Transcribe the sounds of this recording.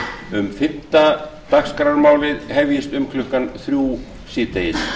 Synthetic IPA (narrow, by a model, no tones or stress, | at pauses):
ʏmfɪn̥t̪at̪akskɾaɾmaːwlɪðhɛvjɪst̪ʏmkʰlʏhkanθɾjuː | sɪːt̪ejɪs